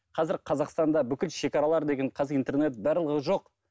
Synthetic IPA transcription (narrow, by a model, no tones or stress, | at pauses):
qʰɑzɪɾqʰɑzɑqst̪ɑnd̪ɑbʏkʲɪlʃe̞kʲɑɾɑlˠɑɾd̪e̞ɡʲe̞ɴqʰɑzijnt̪e̞rne̞t̪bæɾlˠəʁəʒo̞q